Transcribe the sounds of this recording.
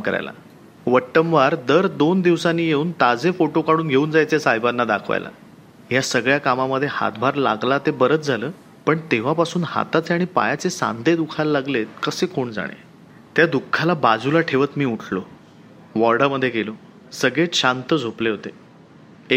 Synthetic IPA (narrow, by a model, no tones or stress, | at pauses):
kəɾa̰jla̰ | ʋəʈːəmʋaɾd̪əɾd̪ond̪iʋsanːiːjeuːnt̪ad͡zefoʈokaɽuːnɡʱeuːnd͡zajt͡sesajbanːad̪akʰʋa̰jla̰ | jasəɡɭjakamaməd̪ʱːjeha̰t̪bʱaɾla̰ɡlat̪ebəɾət͡s̪d͡zʱaləː | pəɳt̪eʋ̤apasuːnha̰t̪at͡seaɽ̃ipa̰jat͡sesã̰nd̪ʱed̪ukʰalalaɡlet̪kəsekoɳd͡za̰ɽ̃ḛ | t̪jad̪ukʰːalabad͡zulaʈʰeʋət̪miːuʈʰlo | ʋɔɾɽaməd̪ʱːjeɡelo | səɡɭeɕant̪əd͡zʱopleɦot̪e